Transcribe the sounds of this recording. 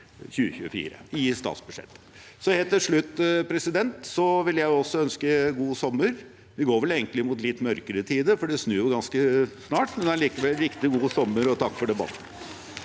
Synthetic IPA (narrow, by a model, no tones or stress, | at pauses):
çʉːəçʉ̰ːəfḭːɾə̰ɪst̪ɑ̰ːt̪sbʉʂɛ̰t̪ːə̥ | sɔheːlt̪ɪlʂɭʉt̪ːpʰɾɛsɪd̪ɛnt̪sɔʋɪljæɪʊɔsːɔœnskəɡuːsɔmːəɾ | ʋɪɡoːɾʋɛleːɡənt̪lɪmʊt̪lɪt̪ːmœɾkəɾət̪ʰiːd̪əfɔɖɛsnʉːjʊɡɑnskəsnɑːʈmɛnɑliːkəʋɛlːɾɪkt̪ɪɡuːsɔmːəɾɔt̪ʰɑkːfɔɖɛbɑ̰t̪ːn̩